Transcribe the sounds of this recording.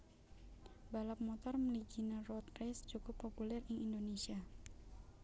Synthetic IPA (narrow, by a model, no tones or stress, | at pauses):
balap̚mɔt̪ɔrməliɡinarɔt̪rɛsd͡ʒukupːopulɛriindonesia